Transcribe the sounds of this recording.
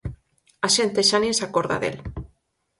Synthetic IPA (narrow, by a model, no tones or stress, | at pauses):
aʃent̪eʃaniesakoɾða̰ðḛl